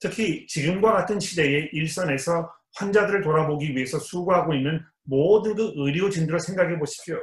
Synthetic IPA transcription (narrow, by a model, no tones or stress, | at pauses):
tʰɯkʰit͡ɕiɡɯmɡwaɡatʰɯnɕʰide̞e̞ʔiɭs͈ʌne̞sʰʌ | ɸwand͡ʑadɯɾɯɭtoɾaboɡiɥie̞sʰʌsʰuɡuɦaɡoinːɯn | modɯnɡɯɯɾiot͡ɕindɯɾosʰe̞ŋɡaɡeboɕʰi̥p̚ɕ͈o